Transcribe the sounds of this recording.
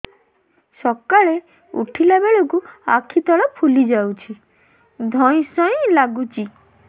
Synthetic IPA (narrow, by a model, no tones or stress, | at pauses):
sɔkaɭe | ṵʈʰilabeɭokua̰kʰit̪ɔɭɔpʰulid͡ʒawt͡ʃʰi | d̪ʱɔj̃sɔj̃laɡut͡ʃi